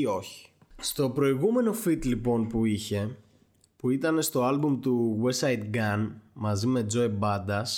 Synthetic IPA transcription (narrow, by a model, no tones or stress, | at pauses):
io̞çi̥ | st̪o̞pɾo̞iɣume̞no̞fit̪lipo̞npuiçe̞ | puit̪ɐne̞st̪o̞ɐlbumt̪uwesɐjt̪ɡɐnmɐzime̞d͡zo̞ebɐd̪ɐs